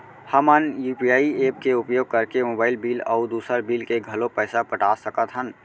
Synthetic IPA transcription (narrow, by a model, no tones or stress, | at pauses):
həmənjuːpijaːieːp̚keʊpjoːɡ̚kəɾkemoːbaːɪlbiːlɔːʊd̪uːsəɾbiːlkeɡʱɐlõpɛːsapəʈaːsəkət̪ɦən